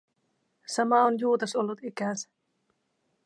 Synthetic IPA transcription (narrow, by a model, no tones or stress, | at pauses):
sɑmɑonjuːt̪ɑsolːut̪ikæsæ̥